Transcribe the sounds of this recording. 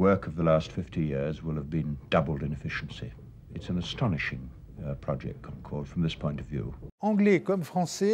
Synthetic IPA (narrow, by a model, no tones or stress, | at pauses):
wɜ˞kʰʌvðəlæstfɪftijɪɹzwɪlˠəvbɨ̃nd̥ʌbl̩ˠdɨ̃nɨfɪʃn̩sḭ | ɨtsn̩ɨstʰɑnɨʃɪ̃ŋ | pʰɹ̥ɑd͡ʒɛ̰k̚t̚ʰãkʰɔlˠd̥fɹʌ̃mðɪspʰɔ̃ɪ̃ntʌvjʉ̰ɑ̃ɡlɛkɔmfχɑ̃sɛ